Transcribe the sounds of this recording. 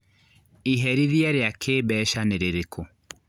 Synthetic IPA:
iɦɛɾiðjɛɾeakʰeːbɛːʃaneɾeɾekʰo

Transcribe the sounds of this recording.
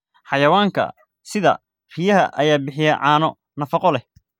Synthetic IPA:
ħɑjɐwaːŋkʰɐ̰ | sɪðɐ̰ | rijɐɦɐʔɐjaːbɪħɪjɛʕɑːnɔ | nɐfɑqɔlɛ

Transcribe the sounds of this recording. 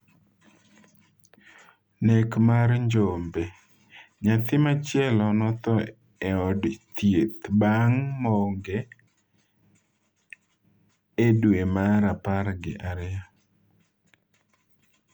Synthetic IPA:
nekmaɾɲd͡ʒombe | ɲat̪ɪmat͡ʃjɛlɔnɔt̪ɔ | ɛɔdt̪jet̪baŋmɔŋɡe | edwemaɾapaɾɡɪ̰ʔaɾja

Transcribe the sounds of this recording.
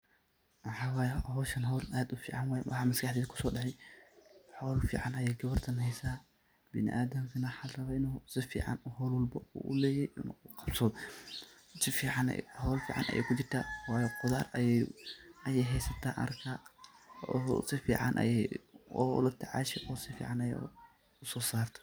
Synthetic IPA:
wɑħaːwaːjɛhɔːʃɐnɦɔːlaːd̪ʊfḭːʕanwaːjɛwɑ̰ħaːmɐskʰɐħd̪iːdkʰʊ̥sɔːɗɐħɛj | ħɔːlfḭːʕanɐjɛːɡɐβɐrt̪ʰɐnhɛjsaː | bɪnɪ̰ʔaːd̪ɐmkʰɐnɐħarɐβɐɪnɔsɪfḭːʕa̰nhɔlwɔlbɔṵʔʊ̰lɛːjɛj̰nqɑbsɔː | sɪfiːʕɑnɛ̰hɔːlfḭːʕɑ̰nʔɐ̰jɛ̰jkʰʊt͡ʃɪrt̪ʰaːwaːjɛqʊðaːrɐjɛɐjɛjɦɛjsɐt̪ʰa̰ːʔɐ̰rkʰa | ɔ̰ːsɪfḭːʕɑ̰nʔɐ̰jɛɔ̰lɐt̪ʰɐʕa̰ːʃɛʔɔːsɪfḭːʕɑnɐjɛ̰ | ʊsɔːsaːrt̪ʰɔ̥

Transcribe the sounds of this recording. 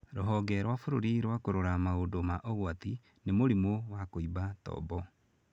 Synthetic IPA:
ɾoɦɔɡɛɾwafoɾoɾiɾwakoɾoɾamaodomaʔɔɣwat̪i | nemoɾimowakoibatɔ̰bɔ

